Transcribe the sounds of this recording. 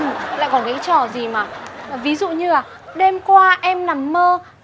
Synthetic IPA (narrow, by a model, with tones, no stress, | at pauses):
la̰ː˧˨jkɔ˨˦nka˨˦jt͡ɕɔ˧˩zi˨˩maː˨˩˨vi˨˦zṵ˧˨ɲɨ˧aː˨˩ | ɗe˧mkwaː˧ʔɛ˧mna˨˦mːəː˧